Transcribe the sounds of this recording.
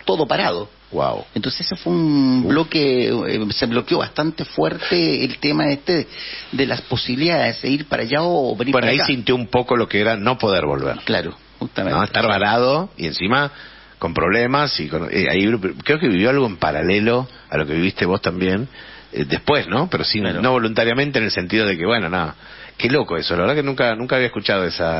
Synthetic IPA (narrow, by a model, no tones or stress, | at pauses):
t̪oðopaɾaðo | wa̰went̪onsesesefweumblo̞kḛseβlo̞kjo̞βa̰st̪ant̪efweɾt̪eːlt̪emaest̪ed̪elaspo̞siβiliðaðeseiɾpaɾʔaʝaoːβeniɾbenaoaissint̪joumpo̞kolo̞keeɾano̞po̞ðeɾβo̞̰lβḛɾkla̰ɾo | xust̪amẽnoest̪aɾβaɾaðoḭḛnsima | ko̞mpɾo̞βlemasiko̰nḛa̰iɾpkɾe̞okeβiβjo̞alɣoempaɾalelo̞ | a̰lo̞keβiβist̪eβo̞st̪ambjen | ḛd̪ehpwe̞zno̞peɾosinoβo̞lunt̪aɾjamẽnt̪enelse̞nt̪iðoð̞e̞keβwe̞nonaða | ke̞lo̞koesolaβe̞ɾðakenũŋkanũŋkaβiaekut͡ʃað̞oesa